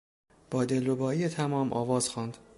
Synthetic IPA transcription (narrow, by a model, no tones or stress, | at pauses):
b̥ɒːd̪elːobɒːiːet̪ʰæmɒːmʔɒ̰ːvɒːz̥xɒːnd̪